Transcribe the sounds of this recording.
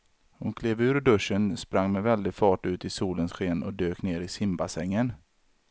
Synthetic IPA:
hʊnkʰleːvʉ̟ːɾɖɵʂːənspɾaŋːmɛvɛld̪ɪɡfɑːʈʉ̟ːt̪ɪsuːlənsɧeːnɔ̰d̪øːkneːɾɪsɪmbasɛŋːən

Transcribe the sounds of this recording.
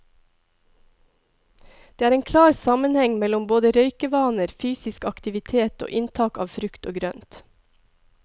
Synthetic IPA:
d̪̥eːæːɾeːnkʰlɑːɾsɑmənhɛŋmɛlɔmboːd̪əɾœʏkəʋɑːnəɾfyːsɪskɑkt̪ɪʋɪt̪ʰeːt̪o̰ːʔɪnt̪ʰɑːkɑ̰ːʋfɾʉkt̪o̰ːɡɾœnt̪

